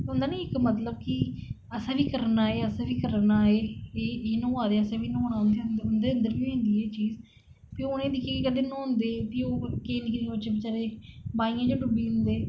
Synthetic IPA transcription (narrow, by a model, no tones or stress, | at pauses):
ɦʊ̃nd̪aːnĩːɪkmət̪ləb̚kɪ | əsãːʋiːkəɾnaːeːəsãːʋiːkəɾnaːeːeːeːnõːaːd̪eːəsãːʋiːnõːonãːnd̪eːʊnd̪eʊnd̪eːə̃nd̪əɾʋĩːɦõːnd̪iːɛːt͡ʃiːz | piːoʊːneːd̪ɪkʰːjaːkikəɖeːnõːɦʊ̃nd̪eːpiːoːkeːnɪknibət͡ʃeːbɪt͡ʃaːɾeːbaːijãːd͡ʒoːʈʊbiːʊ̃nd̪eː